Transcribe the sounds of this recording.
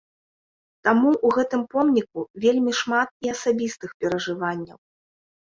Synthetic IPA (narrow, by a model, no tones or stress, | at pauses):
t̪amuʔːɣɛt̪ɨmpɔmnʲikuvʲelʲmʲiʂmat̪̚iɐsabʲist̪ɨxpʲɛɾɐʐɨvanʲːɐ̰w